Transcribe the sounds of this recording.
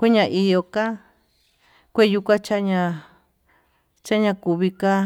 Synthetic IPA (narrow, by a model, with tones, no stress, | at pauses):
kʷe˦ɲã˧ʔi˧jo˧ka˦ | kʷe˦˧ju˧kʷã˦t͡ʃa˦ɲã˧ | t͡ʃa˦ɲã˧ku˧˨βi˧ka˦